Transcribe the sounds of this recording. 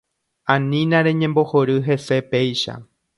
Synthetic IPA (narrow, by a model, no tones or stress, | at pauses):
ãnĩnãɾẽ̞ɲẽ̞mbo̞hoɾɨɦe̞se̞pe̞jʃa̰